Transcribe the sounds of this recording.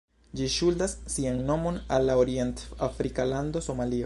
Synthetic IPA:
d͡ʒiʃuldasːianno̞mo̞nalːaoɾie̞ntafɾikalando̞so̞malio

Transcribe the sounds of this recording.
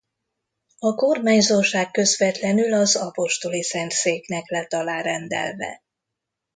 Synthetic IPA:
ɒkormaːɲzorʃaːkːø̞zvɛt̪lɛnylɒzɒpo̞ʃt̪o̞lisɛnt̪seːknɛklɛt̪ɒlaːrɛnd̪ɛ̰lvɛ̰

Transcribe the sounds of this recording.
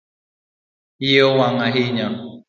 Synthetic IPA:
iowaŋaɦiɲa

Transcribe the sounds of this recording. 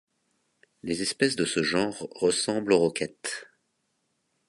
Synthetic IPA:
lezɛspɛsd̪əsəʒɑ̃ʁːəsɑ̃bloʁɔkʲɛt̪

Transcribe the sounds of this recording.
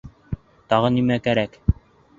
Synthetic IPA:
t̪ɑʁɤnimækæɾæk

